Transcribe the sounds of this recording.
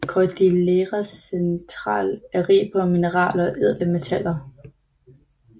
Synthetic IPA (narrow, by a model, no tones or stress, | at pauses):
kʰɒd̥ileʁæsent͡sʰʁɑ̰̈ːlæʁḭːb̥ʰɒminəʁɑ̰̈ːlɒʔeð̞̰ˠləme̝t͡sʰæl̰ɐ